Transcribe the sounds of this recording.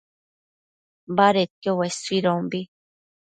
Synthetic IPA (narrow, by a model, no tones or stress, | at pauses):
baɾet̪̚owesuiɾõmbi